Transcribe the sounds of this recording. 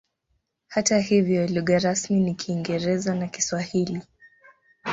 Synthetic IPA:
hatahivjɔluɣaɾasminikʰiːŋɡɛɾɛzanaki̥swahili

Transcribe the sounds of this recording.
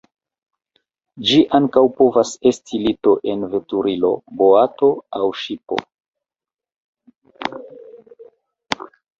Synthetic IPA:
d͡ʒiʔaŋkawpo̞vase̞stʰilito̞ʔe̞nve̞tuɾilo̞̰boato̞awʃipo̞̰

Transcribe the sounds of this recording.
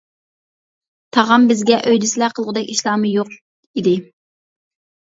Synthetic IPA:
t̪ʰɑʁɑmbɪzɡʲɛʔøjd̪ɪsɪlæqʰəlˠʁʊd̪ɛkʲiʃlˠɑːmɨjoq | id̪ɪ

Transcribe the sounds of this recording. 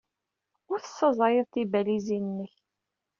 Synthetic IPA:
ʊɾθə̥sːəzˤɾəðˤt̪ibælizinnːəç

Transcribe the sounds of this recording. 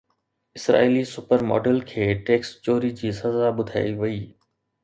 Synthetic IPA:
ɪsɾa̰ːilisʊpəɾmɔ̰ːɖəlkʰeːʈeːkst͡ɕoːɾid͡ʑiːsɐzaɓʊd̪ʱaːiʋɐiː

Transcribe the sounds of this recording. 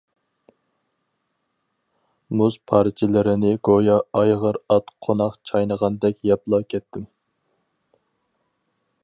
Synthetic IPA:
muzpʰɑɾt͡ʃʰɪlɪɾɪnɪɡojɑɑjʁəɾɑt̪qʰonɑqt͡ʃʰɑjnəʁɑnd̪ɛkʲjɑplˠɑkʲʰɛt̪ʰːɪm

